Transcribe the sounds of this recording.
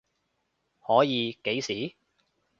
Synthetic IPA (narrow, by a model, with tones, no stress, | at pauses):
hɔː˨˥jiː˨˧ke˨˥jsiː˨˥